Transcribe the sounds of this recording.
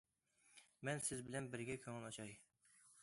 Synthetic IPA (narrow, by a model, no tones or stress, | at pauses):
mɛnsɪzbɪlɛnbɪɾɡʲɛkʲʰøŋɪlɑt͡ʃʰɑj